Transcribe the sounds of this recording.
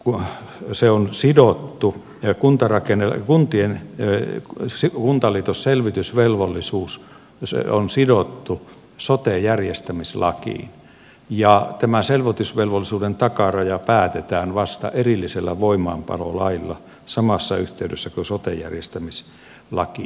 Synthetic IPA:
kuseonsidot̪ːu | kunt̪ɑrɑkenekunt̪ien | sikunt̪ɑliːt̪osselʋit̪ysʋelʋolːisuːs | sonsidot̪ːu | sot̪ejærjest̪æmislɑ̰kḭːn | jɑt̪æmæselʋot̪ysʋelʋolːisuːdent̪ɑkɑrɑjɑpæːt̪et̪æːnʋɑst̪ɑ̰ʔerilːiselːæʋoimɑːmpɑ̰lo̰lɑilːɑ̰ | sɑmɑsːɑyht̪eydøsːækøsot̪ejæ̰rjest̪æmis | lɑ̰ki

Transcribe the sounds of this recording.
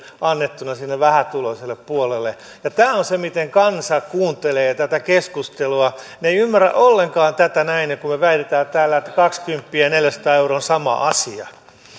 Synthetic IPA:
ɑnːet̪ːunɑsinːeʋʋæhæt̪uloiselːeppuolelːe | jɑt̪æːonsemit̪eŋkɑnsɑkuːnt̪eleːt̪æt̪ækeskust̪eluɑ | neiymːæræ̰ʔolːeŋkɑːnt̪æt̪ænæinekummeʋæit̪et̪æːt̪æːlːæet̪ːæ̥kɑkskympːiæneljæsɑ̥t̪ɑːeuroːnsɑmɑ̰ʔɑsiɑ̰

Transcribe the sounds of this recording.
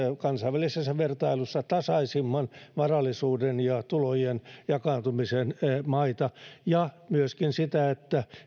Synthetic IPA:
kɑnsɑiʋælisesːɑʋert̪ɑilusːɑt̪ɑsɑisimːɑnʋɑrɑlːˑisuːdenjɑt̪ulojenjɑkɑːnt̪umisenmɑit̪ɑjɑmyøskinsit̪æet̪ːæ

